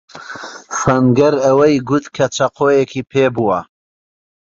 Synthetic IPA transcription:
sɐnɡɐɾɐwɐjɡut̪kʰɐt͡ʃʰɐqʰoːjekʰipʰeːbuwɐ

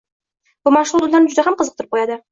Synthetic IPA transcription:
b̥ʊmaʃʊlˠd̪ʊlːaɾnɪd͡ʒʊd̪aɦamqʰəzəq̚t̪ʰɾɪp̚qʰojad̪ɪ

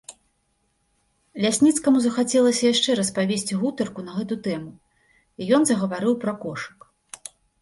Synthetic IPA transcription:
lʲasʲnʲit̪skɐmuzɐxat͡sʲɛlˠɐsʲɐjaʂt͡ʂɛɾɐspavʲesʲt͡sʲiɣut̪ɐrkunɐɣɛt̪ut̪ɛmu | ijɔnzɐɣɐvaɾɨwpɾɐkɔʂɨ̥k

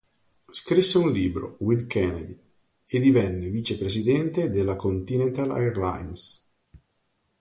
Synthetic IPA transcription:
skɾisːeunliːbɾo̰wid̪kʰɛnad̪i | ed̪ivɛnːeviːt͡ʃepɾesid̪ɛnt̪ed̪elːakont̪inɛnt̪ala̰ɛɾla̰jns

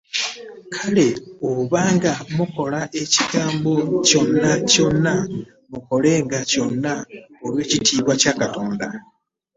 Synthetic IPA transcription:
kʰale̞oβaːŋɡamuko̞laʔe̞ci̥kaːmbo̞co̞nːaco̞nːa | muko̞le̞ːŋɡaco̞nːaolwe̞ːcitiːβwacakato̞ːnda

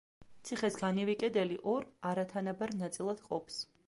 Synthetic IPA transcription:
t̪sʰiχɛsɡanivikʼɛd̪ɛliʔɔɾaɾat̪ʰanabaɾnat̪sʼilˠad̪̥qʼɔpʰs

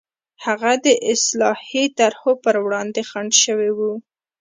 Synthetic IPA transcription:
haɣad̪əʔɪslɑhit̪aɾhopəɾwɽɑnd̪exaɳɖʃəwewu

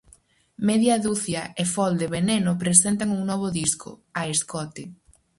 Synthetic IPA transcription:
meðjaðuθjaefɔld̪eβenenopɾesent̪aŋuŋnɔβ̞oðisko̰aeskɔt̪e

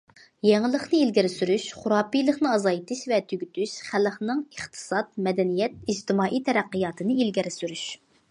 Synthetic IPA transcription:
jɛŋlˠəχnɨilɡʲiɾɪsyɾyʃχʊɾɑːpijlˠəχnɨɑzɑjt̪ɨʃvɛt̪ʰyɡʲyt̪ʰyʃχæləχnɨŋəχt̪ʰɨ̥sɑt̪̚mɛd̪ɛnijɛt̪̚id͡ʒt̪ɪmɑːʔijt̪ʰɛɾæqːɨjɑːt̪ʰɨnɨilɡʲiɾɪsyɾyʃ

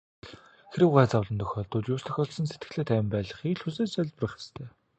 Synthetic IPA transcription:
xɾĭwʁæːt͡sawɮə̆nt̪ʰœxʲɔːɮt̪ʊːt͡ɕjʊːst̪ʰœ̥xʲɔːɮsɞ̆nset̪ɡɘ̆xɮeːt̪ʰæːw̆mpæːɮə̆χiːɮxuseːssœɮʲt̪prə̆χe̥st̪ʰeː

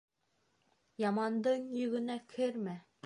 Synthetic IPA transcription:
jɑmɑnd̪ɤɴjɵ̆ɡɘ̆nækʰɘɾmæ

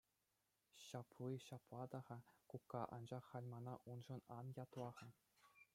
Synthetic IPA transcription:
ɕɑpʰliɕɑplˠɑd̪ɑʁɑkukːɑʔɑ̰nd͡ʑɑχːɑlʲmɑnɑʔunʐɤ̆nɑnjɑt̪lˠɑʁɤ̆

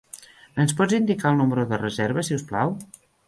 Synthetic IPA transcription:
ənspɔd͡zind̪ikaəlˠnuməɾuðərəzɛɾβəsiuwsplaw

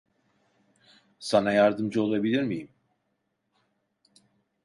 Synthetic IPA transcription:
sanajaɾd̪ɯmd͡ʒɯo̞lˠabilʲiɾmijim

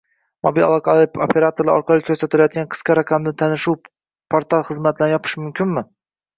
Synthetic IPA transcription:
mobila̰lˠɒqʰɑlao̰pʲʰe̞ɾat̪oɾlaɒɾqʰɑlˠɪkʰːɵɾsat̪ɪlajɒt̪̚kʲanqʰɨ̥sqɑɾaqʰamd̪ɪt̪ʰanɪʃuw | pʰoɾt̪ʰalˠχɨzmat̪ʰɪd̪anjɒpʰɪ̥ʃmʊmkʲʰɪnmɪ

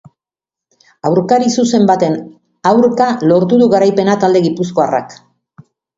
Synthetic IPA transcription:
awɾkaɾisuse̞mbat̪e̞n | awɾkalo̞ɾt̪uðuɣaɾajpe̞nat̪ald̪e̞ɣipus̬ko̞ara̰k

